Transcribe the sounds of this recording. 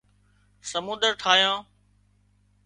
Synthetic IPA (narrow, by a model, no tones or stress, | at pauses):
səmũːnd̪əɾʈʰaːijãː